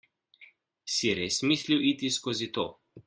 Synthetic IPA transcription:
siɾeːsmisliwit̪iskoːzit̪o

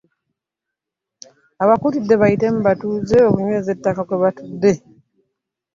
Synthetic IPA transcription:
aβakutudːe̞βaite̞muβatuzeokuɲwe̞ːze̞tːakakweβatudːe̞

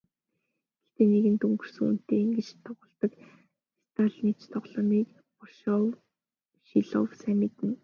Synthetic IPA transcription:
ɡĕɬt̪eːneɣɘ̆nt̪ɵŋɡɵ̆r̥sɘ̆ŋṵn̥t̪eːŋɡĕt͡ɕt̪ʰːɔʁʊ̆ːɮt̪ə̆k | ist̪ʰaɮmit͡ɕt̪ʰɔʁɮɔːniːk | pɔrʃɔw | ʃiɮɔ̰wsæmʲit̪ɘ̆n

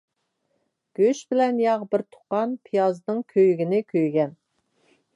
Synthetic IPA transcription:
ɡ̥ʲøʃbɪlɛnjɑʁbɪɾt̪ʰʊ̥qɑnpʰijɑznɨŋkʲʰøjɡʲɪnɪkʲʰøjɡʲɛn

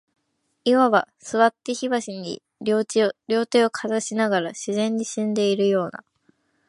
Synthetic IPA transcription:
iβaβa | sɨβat̪ːeçiβaɕiɲ̟ḭ | ɾʲo̞ːt̪eo̞kʰazaɕinaɡaɾaɕizẽ̞ɲ̟ːiɕĩnd̪e̞iɾɯ̟jo̞ːna̰

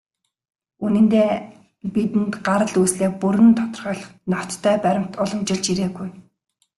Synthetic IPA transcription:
unɘ̆nt̪eː | pit̪ɘ̆nt̪ɢaɾə̆ɮuːsɮeːpuɾɘ̆nt̪ʰɔt̪ɞ̆rχœːɮə̆χnɔ̥t̪ʰːœːpæɾʲɪ̆m̥t̪ɔɮɞ̆mt͡ɕɪ̆ɮt͡ɕiɾeːɡuj

